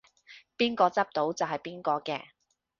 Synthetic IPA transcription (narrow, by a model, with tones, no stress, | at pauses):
piː˥nkɔː˧t͡sɐ˥p̚t̪o˨˥wt͡sɐ˨wɦɐ˨jpiː˥nkɔː˧kɛ̰ː˧